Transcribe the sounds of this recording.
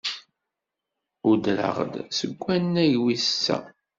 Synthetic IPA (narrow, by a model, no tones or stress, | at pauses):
ud̪lə̰ʁə̰d̪səɡʷːænːæjwissæ̰